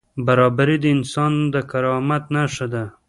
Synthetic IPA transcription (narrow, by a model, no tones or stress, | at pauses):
baɾɑbaɾid̪əɪnsɑnd̪əkaɾɑmat̪naʃad̪a